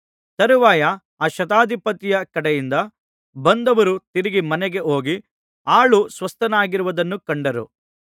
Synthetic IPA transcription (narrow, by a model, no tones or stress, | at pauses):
t̪ɐɾuʋaːjɐ | aːʃɐt̪aːd̪ʱipɐt̪ijɐkɐɽɛjind̪ɐ | bɐnd̪ɐʋɐɾut̪iɾiɡimɐnɛɡe̞ʔo̞ːɡi | aːɭusʋɐst̪ɐnaːɡiɾuʋɐd̪ɐnːukɐɳɖɐɾṵ